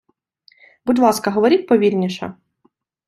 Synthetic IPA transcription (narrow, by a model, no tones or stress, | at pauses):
budʲlˠɑskɐɦɔʋɔɾʲit̚ʲpɔʋʲirʲnʲiʃɐ̰